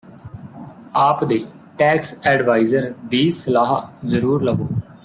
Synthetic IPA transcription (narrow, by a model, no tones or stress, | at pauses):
aːpd̪eː | ʈɛːksɛːɖʋaːizəɾd̪iːsəlaːɦaːzəɾuːɾləɡoː